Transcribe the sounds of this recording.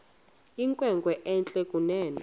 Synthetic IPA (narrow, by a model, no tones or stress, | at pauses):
iŋkʼwɛŋkwɛʔɛnt͡ɬʼɛkʼunɛːna